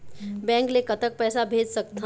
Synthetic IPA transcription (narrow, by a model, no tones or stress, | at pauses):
bɛ̃ːŋklekət̪ək̚pɛːsabʱeːd͡ʒsəkt̪ʰa